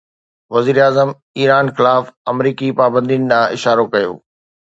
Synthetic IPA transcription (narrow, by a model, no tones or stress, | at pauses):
ʋɐziːɾeaːzəm | iːɾaːnxɪlaːfɐmɾiːkipaːbə̃nd̪ijnɪ̆d̪ãːɪʃaːɾokɐjo̰ː